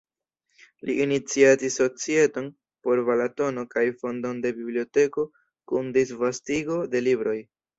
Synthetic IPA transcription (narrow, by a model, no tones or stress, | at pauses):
liʔːnit͡siatisːo̞t͡sie̞to̞n | po̞ɾvalato̞no̞kajfo̞ndo̞nde̞biblio̞te̞ko̞ | kundisvastiɡo̞de̞libɾo̞j